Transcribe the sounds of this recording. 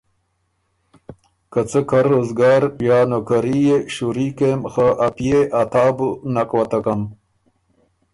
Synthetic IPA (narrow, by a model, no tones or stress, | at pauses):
kət͡səkʰɐɾoːzɡaːɾjaːnokaɾijeɕuɾiːkemxaʔapijeʔat̪aːbunakwɐt̪akɐm